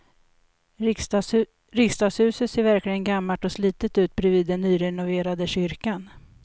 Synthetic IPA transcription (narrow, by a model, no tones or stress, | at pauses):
ɾɪkst̪ɑːɡshʉ̟ːsət̪seːɾvæɾklɪɡənɡamːaʈɔsliːt̪ət̪ʉ̟ːt̪̚bɾɛviːd̪ːɛnːyːɾɛnʊveːɾad̪əɕʏɾkan